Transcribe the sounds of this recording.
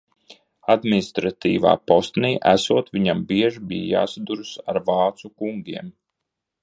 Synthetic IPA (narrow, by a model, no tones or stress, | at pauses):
ad̪minist̪ɾat̪ḭːva̰ːpɔst̪niːʔæsuɔt̪ʋiɲambiɛʒibiːja̰ːsad̪uɾsa̰ɾvɑːt̪sukuŋɡʲiɛm